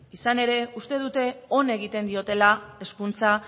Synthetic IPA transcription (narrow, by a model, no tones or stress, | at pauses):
isane̞ɾe̞ust̪e̞ðut̪e̞o̞ne̞ɣ̞it̪e̞nd̪io̞t̪e̞lae̞skunt͡sa